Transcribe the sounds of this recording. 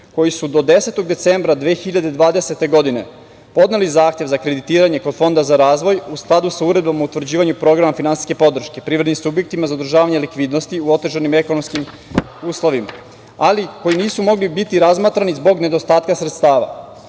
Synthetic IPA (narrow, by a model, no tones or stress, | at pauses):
ko̞jisud̪o̞d̪e̞se̞t̪o̞ɡd̪e̞t̪se̞mbɾad̪ʋexiʎad̪e̞d̪ʋaːd̪ese̞t̪e̞ɡo̞d̪ine̞̰ | po̞d̪ne̞lizaːxt̪jeʋzakɾe̞d̪it̪iːɾaɲe̞ko̞d̪fo̞nd̪azaɾaːzʋo̞jusklˠad̪usauɾe̞d̪̚bamaut̪ʋɾd͡ʑiːʋaɲupɾo̞ɡɾamafinansi̥ske̞po̞d̪r̩ʃke̞pɾiːʋɾed̪nimsubje̞k̚t̪imazaod̪ɾ̩ʒaːʋaɲelikʋiːd̪nost̪iuo̞t̪e̞ʒanime̞kono̞mskim | uːslˠo̞ʋima̰ | aliko̞jiniːsumo̞ɡlibit̪iɾazmaːt̪ɾanizbo̞ɡne̞d̪o̞st̪aːt̪kasɾet̪st̪aːʋa̰